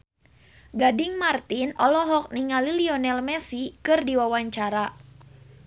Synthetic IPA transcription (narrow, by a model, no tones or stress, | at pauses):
ɡadɪŋmart̪inɔlɔɦɔk̚niŋaliliɔnɛlmɛsikɨrdiwawaɲt͡ʃaɾa